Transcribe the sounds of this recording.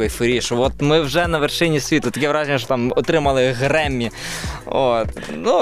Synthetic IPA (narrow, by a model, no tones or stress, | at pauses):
ojfɾʲiʂʋot̪mɪwʐɛnɐʋʲɪrʂɪnʲɪsʲʋʲit̪ʊɐt̪ɐkʲijɛʋɾaʒʲnʲɪʂ̬t̪ot̪amɔt̪ɾɪmɐlˠɪɣɾɛmʲːi | ot̪nu